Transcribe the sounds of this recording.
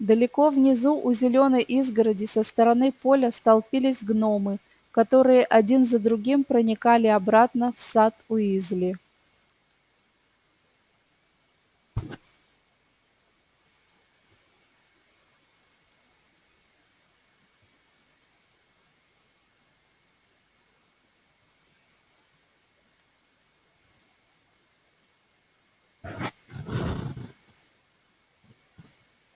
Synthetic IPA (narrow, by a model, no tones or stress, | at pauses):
d̪əlʲɪko̞vnʲɪzuʔʊzʲɪlʲo̞nəjʔizɡəɾədʲɪsəst̪əɾɐnɨpo̞lʲəst̪ɐlˠpʲilʲɪsʲɡno̞mɨ | kɐt̪o̞ɾɨjəʔɐdʲinzəd̪ɾʊɡʲimpɾənʲɪkalʲɪɐbɾat̪nəfsat̪ʊizlʲɪ